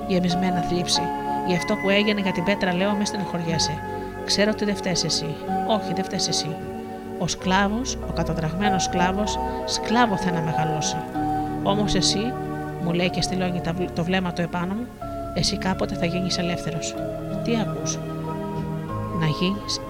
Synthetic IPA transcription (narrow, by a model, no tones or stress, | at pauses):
ʝe̞mizme̞nɐθlipsiiɐft̪o̞pue̞ʝeneʝɐt̪ibe̞t̪ɾɐle̞omist̪inɐxo̞ɾʝese | kse̞ɾot̪iðe̞ft̪ese̞sio̞çiðe̞ft̪esesi | osklɐvo̞so̞kɐt̪ɐðɾɐɣme̞no̞sklɐvo̞sːklɐvoθenɐme̞ɣɐlo̞seo̞mose̞si | mule̞icest̪ilo̞ɲit̪ɐt̪o̞vle̞mɐt̪oe̞pɐnomu | e̞sikɐpo̞t̪e̞θɐʝiɲise̞le̞fθe̞ɾo̞s | t̪iɐkus | nɐʝiɲis